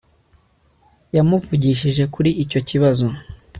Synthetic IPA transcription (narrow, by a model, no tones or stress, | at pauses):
jamuvuɟiʃiʒe̞kuɾiico̞ciβazo̞